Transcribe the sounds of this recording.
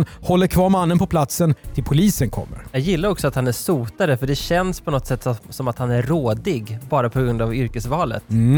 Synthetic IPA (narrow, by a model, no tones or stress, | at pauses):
nhɔlːəɾkʰvɑːɾmanːənpʰɔpʰlat̪sənt̪ʰɪlpʰʊliːsənkʰɔ̰mːə̰ɾjɑːɡjɪlːaɾɔksɔat̪hanæʂuːt̪aɾəfœɖɛɕɛnspʰɔnɔt̪ːsɛt̪ːssɔmat̪hanæɾːoːd̪ɪɡbɑːɾapʰɔɡɾɵnd̪avʏɾkəsvɑːlə̰t̪